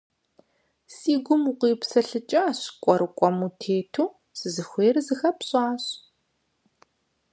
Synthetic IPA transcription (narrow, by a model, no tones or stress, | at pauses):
siːɡʷʊmuqʷiːpsɐɬɨt͡ʃʼɐːɕkʷʼɔɾɨkʷʼɔmuːtʰeːtʰuː | sɨzɨxʷeːrzɨxɐpɕʼaːɕ